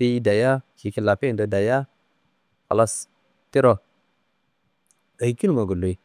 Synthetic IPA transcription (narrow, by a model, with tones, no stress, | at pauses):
i˦ji˦da˨ja˦ki˨ki˨la˨pi˦˨do˨da˨ja˦ | pa̰˨la˦s | ti˦ɾo˨ | a˨˦ki˦lma˨ɡu˨lu˨i˨